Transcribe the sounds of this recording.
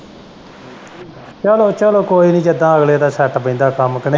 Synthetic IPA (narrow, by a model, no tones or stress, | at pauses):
t͡ʃɛːloːt͡ʃɛːloːkoːiːnĩːd͡ʒəd̪ãːəɡleːd̪aːsɛʈbəɪ̃ːnd̪aːkəmkəne